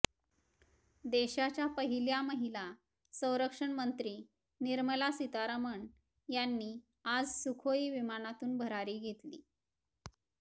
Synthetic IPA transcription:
d̪eɕat͡ɕjapəɦiljaməɦila | sə̃w̃ɾəkʂəɳmənt̪ɾiː | niɾməlasit̪aɾəməɳ | janːiː | ad͡zsukʰoiːʋimanat̪uːnbʱəɾaɾiːɡʱet̪lḭː

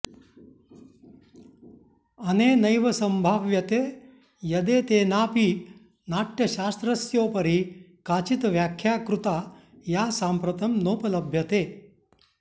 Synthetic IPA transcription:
ɐneːnɐjʋɐsɐmbʱaːʋjɐt̪eː | jɐd̪eːt̪eːnaːpiː | naːʈjɐɕaːst̪ɾɐsjoːpɐɾikaːt͡ʃit̪ʋjaːkʰjaːkɾut̪a | jaːsampɾɐt̪ɐmnoːpɐlɐbʱjɐt̪eː

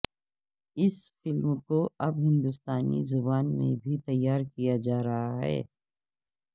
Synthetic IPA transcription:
ɪsfɪlmkoɐbɦɪ̃nd̪ʊst̪aːnḭzʊbaːnmḛ̃bʱit̪ɐjːaːɾkijad͡ʒaːɾɐɦaɦɛ̰ː

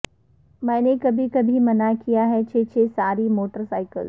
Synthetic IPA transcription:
mɛ̃ːnekɐbʱikɐbʱimɐnakijaɦɛt͡ʃʰeːt͡ʃʰeːsaːɾimoːʈəɾsaːɪkəl

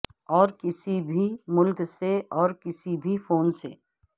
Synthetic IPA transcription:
ɔːɾkɪsibʱimʊlkseɔːɾkɪsibʱifoːnsḛː

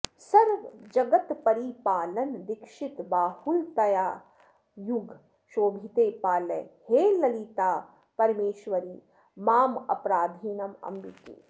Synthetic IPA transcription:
sɐɾʋd͡ʒɐɡɐt̪pɐɾipaːlɐnd̪ɪkʃit̪baːhult̪ɐjaː | juɡʱ | ʃoːbʱit̪eːpaːlḛheːlɐlit̪aː | pɐɾmeːʃʋɐɾiː | maːmɐ̰pɾaːd̪ʱiːnɐmɐ̰mbikḛː

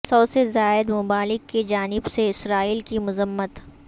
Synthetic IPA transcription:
sɔːsezaːɪd̪mʊbaːlɪkːed͡ʒaːnɪbseɪsɾaːiːlkimʊzəmːət̪

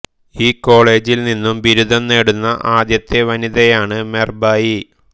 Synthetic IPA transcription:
iːko̞ːɭe̞ːd͡ʑilninːumʋiɾud̪ʱɐnne̞ːɽunːɐʔaːd̪jɐt̪ːeʋɐniðɐjaːɳɨmerbaːji

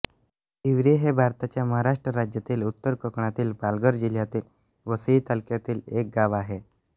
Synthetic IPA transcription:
iʋɾeɦebʱaɾt̪at͡ɕjaməɦaɾaʂʈɾəɾad͡ʑjat̪iːlut̪ːəɾkəkɳat̪iːlbalɡəɾd͡ʑiljat̪iːl | ʋəsit̪əlkjat̪iːlek̚ɡaʋaɦe

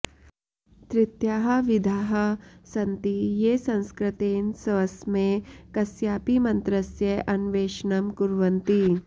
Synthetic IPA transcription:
t̪ɾɪt̪jaːɦɐ̆ʋid̪ʱaːɦɐsɐnt̪ijeːsɐ̃nskɾɪt̪eːnsɐʋɐsmẽkɐsjaːpimɐnt̪ɾɐsjɐʔɐnʋeːʃnɐmkuɾʋɐnt̪i

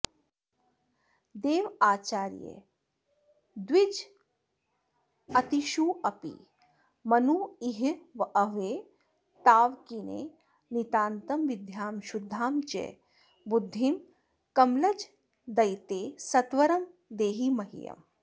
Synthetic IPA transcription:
d̪eːʋaːt͡ʃaːɾjḛ | d̪ʋid͡ʒ | ɐt̪iʃuɐpḭ | mɐnuiɦʋʔɐʋeː | t̪aːʋkinḛː | nit̪aːnt̪ɐmʋɪd̪ʱjaːmʃud̪ʱːaːmt͡ʃḛ | bud̪ʱːim | kɐmlɐd͡ʒ | d̪ɐjt̪eːsɐt̪ʋɐɾɐm | d̪eːɦimɐɦḭjɐ̰m

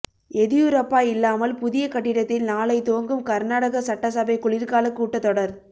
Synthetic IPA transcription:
ɛðɪjʊɾɐpːaːɪlːaːmɐlpʊðɪjɐkɐʈːɪɽɐt̪ːɪlnaːlɐɪt̪oːŋɡɯmkɐɾnaːɽɐɣɐsɐʈːɐsɐbɐɪkʊɭɪɾkaːlɐkːuːʈːɐt̪ːɔɽɐɾ

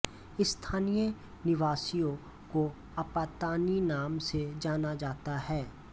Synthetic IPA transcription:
ɪst̪ʰaːnijə | nɪʋaːsijõ | ko | ɐpaːt̪aːninaːmsed͡ʒaːnad͡ʒaːt̪aɦɛː

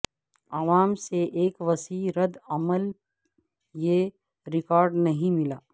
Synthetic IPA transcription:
aʋaːmseʔːkʋɐsiːɾəd̪ɐməl | je | ɾɪkɔːɾɖnɐɦĩmɪlaː

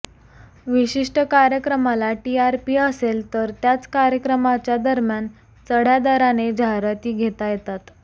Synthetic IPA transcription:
ʋiɕiʂʈəkaɾjəkɾəmalaʈiaɾpiːəselt̪əɾt̪jat͡skaɾjəkɾəmat͡ɕjad̪əɾmjan | t͡səɽ̤jad̪aɾaned͡ʑaɾat̪iːɡʱet̪ajet̪at̪

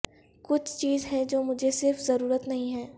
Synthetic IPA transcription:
kʊt͡ʃʰt͡ʃiːzɦɛ̃d͡ʒoːmʊd͡ʒʱesɪɾfzɐɾuːɾət̪nɐɦĩɦɛː

